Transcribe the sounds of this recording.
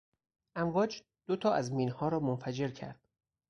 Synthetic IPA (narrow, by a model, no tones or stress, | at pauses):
ʔæmvɒːd͡ʒ | d̪̥ot̪ʰɒːʔæzmiːnhɒːɾɒːmonfæd͡ʒe̞ɾcʰæ̰ɾd̪̥